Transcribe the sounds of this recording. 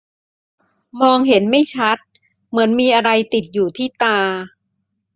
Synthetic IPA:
mɔː˧ŋɦe˩˦nma˥˩jt͡ɕʰa˦˥t̪̚ | mɯ˩˦ənmiː˧ʔa˧ɾa˧jt̪i˨˩t̪̚juː˨˩t̪ʰiː˥˩t̪aː˧

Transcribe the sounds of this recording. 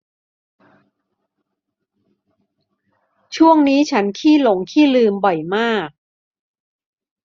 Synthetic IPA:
t͡ɕʰu˥˩əŋniː˦˥t͡ɕʰa˦˥nkʰiː˥˩lo˩˦ŋkʰiː˥˩lɯː˧mbɔ˨˩jmaː˥˩k̚

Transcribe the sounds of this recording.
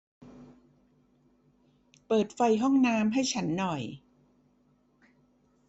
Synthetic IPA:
pɤː˨˩t̪̚fa˧jɦɔ˥˩ŋnaː˧˥mɦa˥˩jt͡ɕʰa˦˥nːɔ˨˩j

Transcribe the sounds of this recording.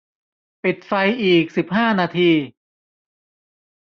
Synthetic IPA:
pi˨˩t̪̚fa˧jʔiː˨˩k̚si˨˩p̚ɦaː˥˩naː˧t̪ʰiː˧

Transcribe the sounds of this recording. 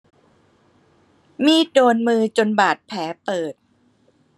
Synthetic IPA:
miː˥˩doː˧nmɯː˧t͡ɕo˧nbaː˨˩t̪̚pʰɛː˩˦pɤː˨˩t̪̚

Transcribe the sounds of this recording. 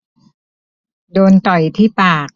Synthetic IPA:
doː˧nt̪ɔ˨˩jt̪ʰiː˥˩paː˨˩k̚

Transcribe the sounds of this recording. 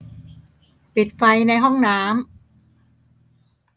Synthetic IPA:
pi˨˩t̪̚fa˧jna˧jɦɔ˥˩ŋnaː˦˥m

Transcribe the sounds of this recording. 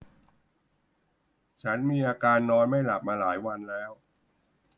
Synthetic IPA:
t͡ɕʰa˦˥nmiː˧ʔaː˧kaː˧nːɔː˧nma˥˩jla˨˩p̚maː˧laː˩˦jwa˧nlɛː˦˥w

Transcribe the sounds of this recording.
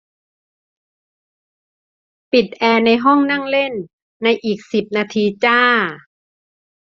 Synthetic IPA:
pi˨˩t̪̚ʔɛː˧na˧jɦɔ˥˩ŋna˥˩ŋle˥˩nː | a˧jʔiː˨˩k̚si˨˩p̚naː˧t̪ʰiː˧t͡ɕaː˥˩

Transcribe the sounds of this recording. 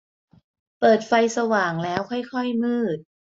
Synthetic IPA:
pɤː˨˩t̪̚fa˧jsa˧waː˨˩ŋlɛː˦˥wkʰɔ˥˩jkʰɔ˥˩jmɯː˥˩t̪̚

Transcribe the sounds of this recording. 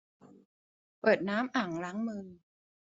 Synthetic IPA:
pɤː˨˩t̪̚naː˦˥mʔa˨˩˦ŋla˦˥ŋmɯ˧ŋ

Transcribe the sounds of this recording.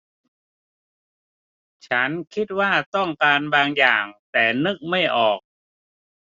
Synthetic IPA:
t͡ɕʰa˦˥nkʰi˦˥t̪̚waː˥˩t̪ɔ˥˩ŋkaː˧nbaː˧ŋjaː˨˩ŋt̪ɛː˨˩nɯ˦˥k̚ma˥˩jʔɔː˨˩k̚

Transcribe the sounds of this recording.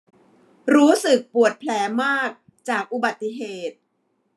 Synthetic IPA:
ɾuː˦˥sɯ˨˩k̚pu˨˩ət̪̚pʰlɛː˩˦maː˥˩k̚ | t͡ɕaː˨˩k̚ʔu˨ba˨˩t̪ːi˧˩˨ɦeː˨˩t̪̚

